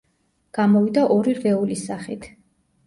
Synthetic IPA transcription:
ɡ̥amɔvid̪aʔɔɾiɾvɛulisaχit̪ʰ

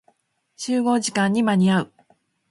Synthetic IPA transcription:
t͡ɕɨːɡo̞ːʑikãɲ̟ːimaɲ̟iaɯ̟

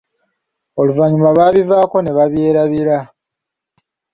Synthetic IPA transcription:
oluvaɲumaβaːβivaːko̞ne̞βaβje̞ːɾaβiɾa

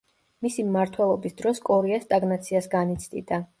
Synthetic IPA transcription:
misimmaɾt̪ʰwɛlˠɔbisd̪ɾɔskʼɔɾiast̪ʼaɡnat̪sʰiasɡanit̪sʰd̪ḭd̪a

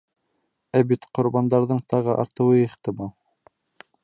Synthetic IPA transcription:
æbit̪qŏɾbɑnd̪ɑɾðɤɴt̪ɑʁɤʔɑ̰ɾt̪ɤ̆wɤiχt̪ɘmɑlˠ

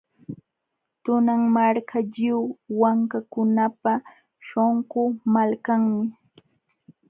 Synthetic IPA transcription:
t̪ʊnaŋmaɾkʰaʎɪwwaŋkakʊnapa | ʃoɴɢomalkaŋmɪ

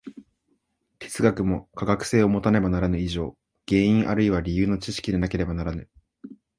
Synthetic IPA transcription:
t̪ʲʰe̥t͡sɨɡakɯ̟mo̞kaɡakɯ̟̥se̞ːo̞mo̞t̪ane̞banaɾanɯ̟iʑo̞ː | ɡ̥ẽ̞ːĩɰ̃ʔaɾɯiβaɾʲijɯ̟ːno̞t͡ɕiɕi̥kʲid̪e̞nake̞ɾe̞banaɾanɯ̟

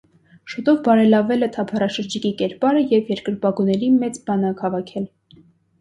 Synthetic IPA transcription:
ʃut̪ɔvbɑɾɛlɑvɛlɛt̪ʰɑpʰɑrɑʃəɾd͡ʒikikɛɾpɑɾəjɛvjɛɾkəɾbɑɡunɛɾimɛt͡sbɑnəkhɑvɑkʰɛl

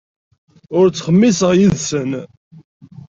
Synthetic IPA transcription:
ʊɾt͡sːχəmːisəʁjiðsən

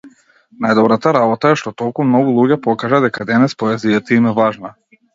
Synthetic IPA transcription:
najd̪ɔbɾat̪aɾabɔt̪aɛʃt̪ɔt̪ɔlˠkumnɔɡulˠuɟɛpɔkaʒad̪ɛkad̪ɛnɛspɔɛzijat̪aimɛvaʒna

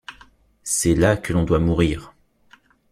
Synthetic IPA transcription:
sɛlakəlɔ̃d̪wamuʁiːʁ

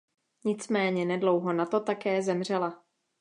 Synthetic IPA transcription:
ɲɪt͡smɛːɲɛnɛdlo̞wɦo̞nat̪o̞t̪akɛːzɛmr̝ɛla

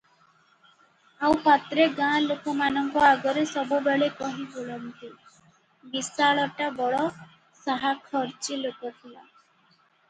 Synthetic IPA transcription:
awpat̪ɾeɡãlokɔmanɔŋkɔaɡɔɾesɔbubeɭekɔɦĩboɭɔnt̪i | bisaɭɔʈabɔɭɔ | saɦakʰɔɾt͡ʃilokɔt̪ʰila̰

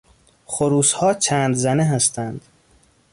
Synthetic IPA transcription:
xoɾuːshɒːt͡ʃʰænd̪zæneɦæst̪ʰænd̪̥

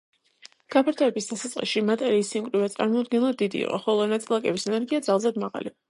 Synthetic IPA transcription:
ɡ̥apʰaɾt̪ʰɔɛbisd̪asat̪sʼqʼḭsʃimat̪ʼɛɾiːsimkʼɾivɛt̪sʼa̰ɾmɔd̪̚ɡɛnlˠad̪id̪ḭːqʼɔ̰χɔlˠɔnat̪sʼilˠakʼɛbisɛnɛɾɡiad̪zalˠzɛd̪maʁa̰lḭ

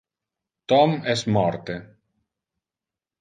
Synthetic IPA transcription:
t̪ɔmɛsmɔɾt̪e

